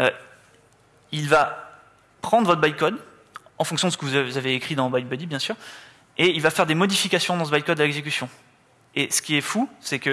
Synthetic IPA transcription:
ø | ilva | pχɑ̃d̪ʁvɔt̪χbajkɔd̪ | ɑ̃fɔ̃ŋksjɔ̃d̪əsəkəvuzaveːkχid̪ɑ̃bajbød̪ibjɛ̃syːʁ | eilvafɛʁd̪emɔd̪ifikasjɔ̃d̪ɑ̃səbajkɔd̪alɛɡzekʲysjɔ̃ | esə̥kʲiɛfusɛkə

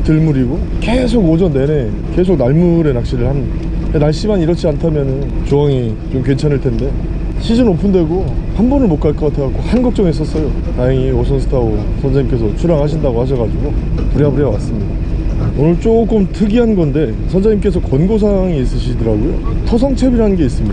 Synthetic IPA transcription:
tɯɭmuɾiɡo | kesʰoɡod͡ʑʌnːe̞ne̞ | kes̬ʰoɡ̚naɭmuɾe̞nak̚ɕ͈iɾɯɭhan | kenaɭɕ͈imaniɾʌt͡ɕʰiantʰamjʌnɯnt͡ɕoaŋi | t͡ɕomk̬we̞nt͡ɕʰanɯɭtʰe̞nde̞ | ɕʰid͡ʑɯnopʰɯnde̞ɡohanbʌnɯɭmok͈̚aɭk͈ʌk͈atʰaak͈ohanɡʌk̚t͡ɕ͈ʌŋes͈ʌs͈ʌjo | tajiŋiosʰʌns̬ʰɯ̥tʰaosʰʌnd͡ʑaɲimk͈e̞s̬ʰʌt͡ɕʰuɾaŋɦaɕ̬ʰindaɡohaɕ̬ʰʌɡad͡ʑiɡopuɾiabɯɾʌwas͈ɯmɲidaonɯɭt͡ɕ͈ok͈ɯmtʰɯɡiɦanɡʌnde̞ | sʰʌnd͡ʑaɲimk͈e̞sʰʌkʌnɡos̬ʰaŋiːs͈ɯɕʰidɯɾaɡojo̰tʰos̬ʰʌŋt͡ɕʰe̞biɾanɯnɡe̞is͈ɯmɲida

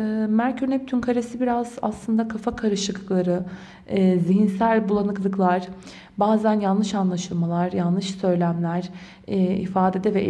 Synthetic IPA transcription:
mæɾcʰyɾnɛp̚t̪ʰynkʰaɾesibiɾaza̰slˠɯnd̪akʰafakʰaɾɯʃɯklˠaɾɯː | ziɦinsælʲbulˠanɯklˠɯklˠaɾ̥ | baːzænjanlːˠɯʃanlˠaʃɯlˠmalˠaɾjanːɯʃsø̞jlʲæmlʲæɾ̥ | ɛḭfaːd̪e̞d̪ɛvɛ

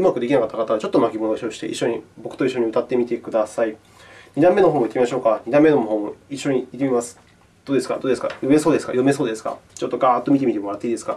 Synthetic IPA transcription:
ɯ̟makɯ̟d̪e̞kʲinakat̪ːakat̪aβat͡ɕo̞t̪ːomakʲimo̞noɕioɕi̥t̪e̞ʔḭɕːo̞ɲ̟ḭbo̞kɯ̟̥o̞iɕ̬ːo̞ɲ̟iɯ̟t̪at̪ːe̞mʲit̪e̞kɯ̟d̪asai | ɲʲid̪ãmːe̞no̞ɦõːmːoit̪ːemimaɕo̞ːkaɲʲid̪ãmːe̞noɦõ̞ːmːoiɕːo̞ɲ̟iit̪ːemʲimasɨ̥ | d̪̥o̞ːd̪e̞sɨ̥ka̰d̪oːd̪esɨ̥ka̰jo̞me̞soːd̪esɨ̥ka̰jo̞me̞so̞ːd̪e̞sɨ̥ka̰t͡ɕo̞t̪ːoɡaːt̪ːo̞mʲit̪e̞mit̪emo̞ɾat̪ːeid̪esɨ̥ɡa

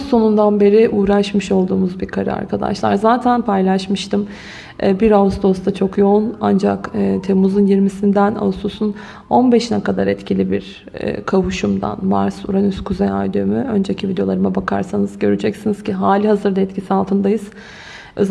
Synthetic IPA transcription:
o̞nund̪anbe̞ɾɪʔuːɾaʃmɯʃo̞lˠd̪uːmuzbiɾkʰaɾɯ̰a̰ɾkʰad̪a̰ʃlˠa̰ɾzaːt̪ʰænpʰajlʲˠaʃmɯʃt̪ʰɯmː | biɾavusd̪o̞st̪at͡ʃʰo̞kjo̞una̰nd͡ʒa̰kːt̪ʰe̞muzunjiɾmisind̪æna̰ususun | o̞nbɛʃinɛkʰad̪aɾɛt̪cʰilʲibiɾ̰ː | kʰavuʃumd̪a̰nma̰ɾsṵɾanyskʰuzɛja̰jd̪ømyø̞nd͡ʒɛcʰivid̪eoaɾɯmabakʰa̰ɾsanɯz̥ɟø̞ɾyd͡ʒɛcsinizciɦaːlʲiɦazɯɾd̪aɛt̪cʰisialˠt̪ʰɯnd̪ajɯz̥ | øz

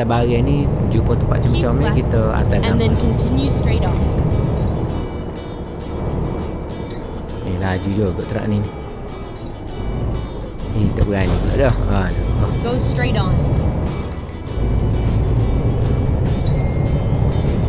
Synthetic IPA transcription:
abaɣanid͡ʒupət̪əpa̰ʔ̪̚t͡ʃəmt͡ʃɔmikit̪əa̰t̪adanɛ̃nkʰə̃ntʰɪ̃njustɹ̥eɪɾn | ilaad͡ʒud͡ʒəɡɔʔt̪əɾa̰ʔnini | it̪əʔɡaniɡɔ̰ʔdɔhanɔɡoʊstɹ̥eɾn

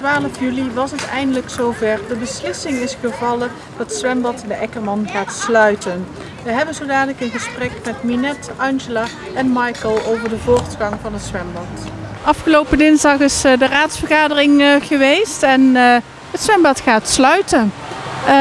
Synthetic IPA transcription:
tʋaːləfjyliʋɑsətɛjndələksowvɛɹdəbəslɪsɪŋɪsχəvɑlə | d̥ɑtsʋɛmbɑtɛndəʔɛkəɹmɑnχaːtslœɥtən | ʋəɦɛbənzowdaːnələkənχəsprɛkmɛtminɛtɑnʒəlaː | ɛnmɑjkəlˠowvəɹdəvʊːɹtχɑŋvɑnətsʋɛmbɑt | ɑfχəlowpəndɪnzɑχɪsdəraːtsfərχaːdərɪŋχəʋejstɛn | ətsʋɛmbɑtχaːtslœɥtən

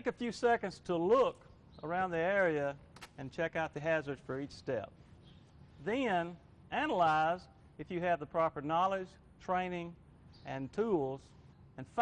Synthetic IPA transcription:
ɪkɨfjʉsɛkɨ̃ndz̥tʰəlʊk | ə˞ãʊ̃nðiɛɹiɨɨ̃nt͡ʃʰɛkaʊt̪̚ðɨɦæzə˞dz̥fə˞it͡ʃstɛ̰p̚ | ðɨ̃n | ʔænəlaɪz | ɨfjɨːvðəpʰɹ̥ɑpə˞nɑlˠɪd̥ʒ̥ | tʰɹ̥ẽɪ̃nɪ̃ŋ | ɨ̃ntʰulˠz̥ | ɨ̃nf

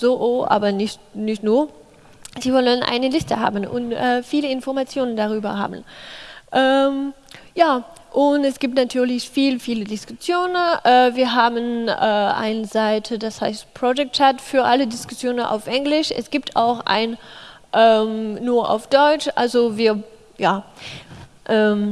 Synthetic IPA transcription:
z̥oːʔoːʔa̰ːbɐnɪçtnɪçtnuːɐ | z̥iːvɔlənʔa̰ɪnəlɪstəha̰ːbn̩ʔʊ̰ntʔɛːfiːləɪnfɔɐmat͡sjoːnəndaʁ̞yːbɐ̰ɦa̰ːbn̩ʔɛːmjaː | ʔʊntɛsɡ̥iːp̚tnatʰyːɐlɪçfiːlfiːlədɪskʊsjoːnənʔɛːviːɐɦaːbənʔɛːʔa̰ɪnəzaɪtʰədashaɪstpʁ̥od͡ʒɛk̚tt͡ʃatfyːɐʔalədɪskʊsjoːnənʔa̰ʊfʔɛŋlɪʃʔɛ̰sɡ̥iːp̚tʰa̰ʊxʔa̰ɪn | ʔɛːmːuːɐʔa̰ʊfd̥ɔʏt͡ʃʔa̰lzoviːɐ | jaː | ʔɛːm

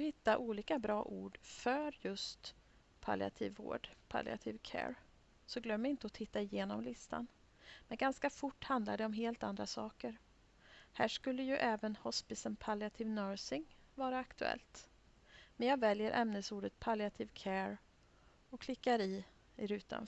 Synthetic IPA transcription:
hɪt̪ːaʔuːliːkabɾɑːʔṵːɖfœɾjɵst̪ | pʰa̰lɪ̰a̰t̪ʰiːvːo̰ːɖpʰa̰lɪ̰a̰t̪ʰɪːvkʰɛ̰ːɾ | sɔɡlœmːɪnt̪əɔt̪ʰɪt̪ːaɪjeːnɔmlɪst̪ʰa̰n | mɛnɡanskafʊʈːhand̪lad̪ɛɔmɦeːlt̪a̰nd̪ɾasɑːkəɾ | hæːʂkɵlːəjɵʔɛːvənhɔspɪsənpʰalɪat̪ʰɪvnœːɾsɪŋ | vɑːɾaːkt̪ɵɛ̰lt̪ | mɛnjɑːɡvɛljəɾʔɛ̰mnəsuːɖət̪̚pʰalɪat̪ʰɪːvkʰɛːɾ | ɔkʰlɪkːaɾɪ | ɪɾʉ̟ːt̪ʰa̰n

